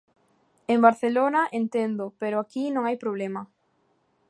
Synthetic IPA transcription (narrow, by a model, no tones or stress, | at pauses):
embaɾθelonaʔent̪end̪opeɾʊakinõŋajpɾoβ̞lemɐ